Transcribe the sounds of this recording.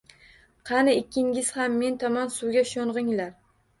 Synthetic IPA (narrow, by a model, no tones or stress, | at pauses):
qʰɑnɪekʲʰːɪŋʲɪz̥hamːe̞nt̪ʰɒmɒnsuwɡʲaʃoɴʁɪŋlaɾ